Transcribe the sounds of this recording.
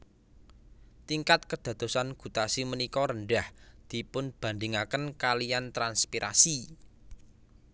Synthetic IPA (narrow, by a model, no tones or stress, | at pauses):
t̪iŋkat̪̚kəd̪̥ä̤d̪̥o̤sanɡ̥ṳt̪asimənikɔɾəɳɖahd̪̥i̤pʊnb̥ä̤nd̪ɪŋakənkalijant̪ɾanspiɾʔa̰si